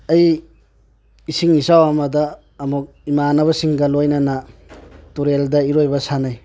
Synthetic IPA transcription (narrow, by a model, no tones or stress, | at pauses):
ɐj | isiŋisawamɐdɐː | muk̚imanɐβɐsiŋɡɐlojnɐnɐ | tuɾeldɐiɾojbɐsanaj